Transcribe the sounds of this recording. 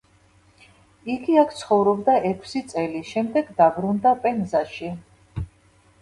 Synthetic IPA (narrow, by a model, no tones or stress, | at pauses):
iɡiakʰt̪sʰχɔvɾɔbd̪aʔɛkʰsit̪sʼɛliʃɛmd̪ɛɡd̪abɾund̪apʼɛnzaʃi